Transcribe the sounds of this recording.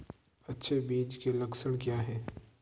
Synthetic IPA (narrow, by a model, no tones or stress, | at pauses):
ɐtːʃʰebiːd͡ʒkelɐksəɽ̃kjaːɦɛː